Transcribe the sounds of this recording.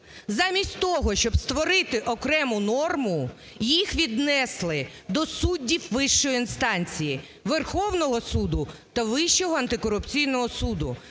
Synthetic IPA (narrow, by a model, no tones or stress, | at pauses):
zɑmʲisʲtʲt̪ɔɦɔʃt͡ʃɔbst̪ʋɔɾɪt̪ɪʔɔkɾɛmʊnɔrmʊ | jixʋʲid̪nɛslˠɪ | d̪ɔsudʲːiwʋɪʃt͡ʃɔjʊinst̪ɑnʲt͡sʲiji | ʋerxɔwnɔɦɔsud̪ʊt̪ɐʋɪʃt͡ʃɔɦɔɐnt̪ɪkɔɾʊpt͡sʲijnɔɦɔsud̪ʊ